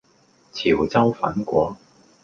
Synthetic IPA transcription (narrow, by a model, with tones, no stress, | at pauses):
t͡sʰi˨˩wt͡sɐ˥wfɐ̰˨˥nkʷɔː˨˥